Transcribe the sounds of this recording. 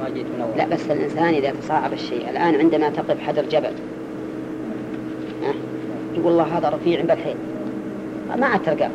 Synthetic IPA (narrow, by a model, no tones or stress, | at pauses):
it̪laʔbasːɪlʔɪ̰nsaːnʔɪðajt̪ɑsˤɑːʕɑbɪʃːeːʔɪ̰lʔaːnʕɪnd̪amat̪ɪqɪfħad̪ɑɾˤd͡ʒabal | ʔa | t̪ɡuːlɑlˤːɑːɦaːðaɾˤɑfiːʕɪmbalħeːl | a̰maʕad̪̚t̪ːɑɾˤɡa̰